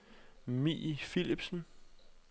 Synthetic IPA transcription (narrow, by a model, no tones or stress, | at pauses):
mḭfilib̥sn̩